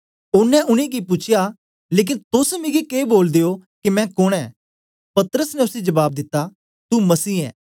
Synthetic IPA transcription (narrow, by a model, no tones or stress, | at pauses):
ʊnːɛ̃ʔʊnẽːɡipʊt͡ʃʰɪja | leːk̬ɪnt̪ʊsmɪɡikeːboːld̪eːokimɛ̃ːkʊɽ̃ɛ̃ː | pɐt̪əɾəsnɛʊsid͡ʒɐbaːb̚d̪ɪt̪ːa | t̪umɐsiːɛ̰ː